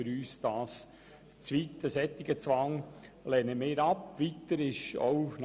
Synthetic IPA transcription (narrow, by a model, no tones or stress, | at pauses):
ɨɾyːsd̥ɑːs | t͡sʋit̪əsɛt̪ːɪɡət͡sʋɑŋlɛːnəmeːɾɑpʋit̪əɾɪʃo̰n